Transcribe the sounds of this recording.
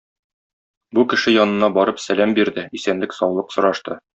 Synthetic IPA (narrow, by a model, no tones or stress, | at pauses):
bukɘ̆ʃɘjɒnɤ̆nɑbɒɾɤpsælæmbiɾd̪ɘisænlɘksɒwlˠɤqsŏɾɑʃt̪ɤ